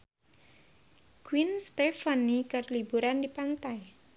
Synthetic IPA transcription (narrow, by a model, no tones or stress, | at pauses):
kwinst̪efanikərlibuɾandipant̪aj